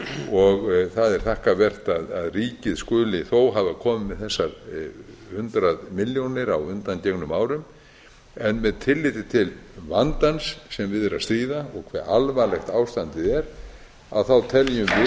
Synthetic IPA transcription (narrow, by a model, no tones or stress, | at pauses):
ɔɣθaðɛɾ̥θahkavɛr̥t̪aðaðriːcɪðskʏːlɪθowɦaːvakʰɔːmɪmːɛðθɛsːaɾ | hʏnt̪ɾaðmɪljownɪɾawʏnt̪anceknʏmaːwɾʏm | ɛnmɛðt̪ʰɪlːɪt̪ɪt̪ʰɪlvant̪ansːɛmvɪðɛɾast̪ɾiːðaɔɣkʰvɛ̰ɾʔalvalɛxt̪aːwst̪ant̪ɪðɛɾ | a̰ðθawt̪ʰɛljʏmvɪ